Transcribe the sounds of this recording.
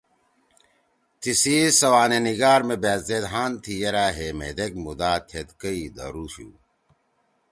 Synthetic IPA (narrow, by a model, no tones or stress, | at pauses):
t̪ʰisiːsɐwaːneniɡaːɾmebeːzed̪ɦaːnt̪ʰijɐɾaːɦemḛd̪ek̚mud̪aːt̪ʰet̪kəid̪ɐ̰ɾuːɕṵː